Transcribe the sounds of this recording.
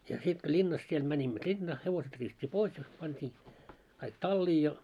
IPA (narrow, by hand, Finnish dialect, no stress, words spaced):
jɑ sit ko lʲinːɑs siel mænʲimːø lʲinːɑː heʋoset riːsutʲːi pois jɑ pɑntʲiː kɑik tɑlːiː jɑ